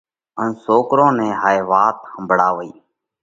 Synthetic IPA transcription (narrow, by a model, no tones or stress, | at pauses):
ənsoːkɾõːnɛ̃ːɦaːeːʋaːt̪həmbʱɽaːʋəiː